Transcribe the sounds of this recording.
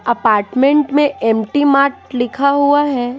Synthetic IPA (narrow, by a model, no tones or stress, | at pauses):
ɐpaːɾʈmẽɳʈmẽʔɛːmʈimaːɾʈlɪkʰaɦuaɦɛː